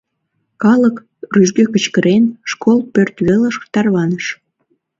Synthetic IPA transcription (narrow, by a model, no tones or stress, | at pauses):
kɑlək | ryʒɡøkət͡ɕkəɾʔenʃkʰolpørt̪βeləʃt̪ɑrβɑnəʃ